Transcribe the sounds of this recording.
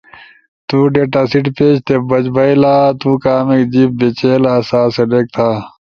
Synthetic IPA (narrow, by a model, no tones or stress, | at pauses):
t̪uːɖeːʈaːsiʈpeːt͡ʃt̪ʰebɐt͡ʃbɐilaːt̪uːkaːmekd͡ʑiːp̚bet͡ɕeːlasaːsɐɖeːk̚t̪ʰaː